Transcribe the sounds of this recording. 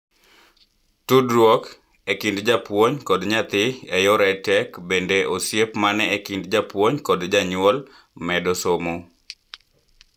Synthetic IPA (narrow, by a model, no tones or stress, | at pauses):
tudɾwok | ekindd͡ʒapwoɲkɔdɲat̪ɪɛjɔɾɛtɛkbendeʔosjepmanɛekindd͡ʒapwoɲkɔdd͡ʒaɲʊɔl | mɛdɔsomo